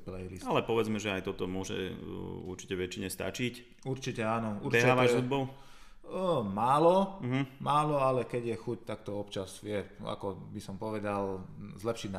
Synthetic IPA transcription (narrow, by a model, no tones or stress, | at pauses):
plɛjlisalɛpɔʋɛd͡zmɛʒɛajt̪ɔt̪ɔmʊɔʒɛ̰uɾt͡ʃi̥cɛʋɛt͡ʃiɲɛst̪a̰t͡ʃic | uɾt͡ʃicɛaːnɔuɾɛiɦaːʋaʒɛud̪̚bɔl | maːlɔɦm̩maːlɔalɛkɛɟjɛxuct̪akt̪ɔɔpt͡ʃazʋɪɛa̰kɔbisɔmpɔʋɛd̪alzlɛpʃiɟna